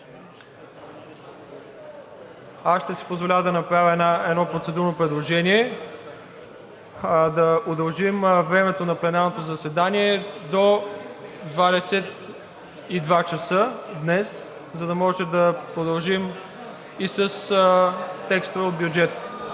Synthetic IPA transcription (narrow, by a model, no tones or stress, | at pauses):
asʃt̪ɛsi̥pozvolʲad̪ɐnɐpɾavʲəɛaɛd̪nɔpɾotsɛd̪uɾnopɾɛd̪lˠoʒɛniɛ | d̪ɐod̪ɐlˠʒimvɾɛmɛt̪onɐplɛnaɾnot̪ozɐsɛd̪aniɛd̪o | d̪vad̪ɛsɛt̪ | id̪vat͡ʃɐsəd̪nɛs | zɐd̪ɐmɔʒɛd̪ɐpɾod̪ɐlˠʒim | isəs | t̪ɛkst̪ʊvɛot̪d̪̚bʲjʊd͡ʒɛt̪ə̥